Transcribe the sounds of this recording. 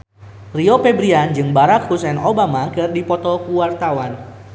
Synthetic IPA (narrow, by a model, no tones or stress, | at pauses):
riopɛbɾiand͡ʒɨŋbaɾakhusɛnobamakɨrdipɔt̪ɔkuwart̪awan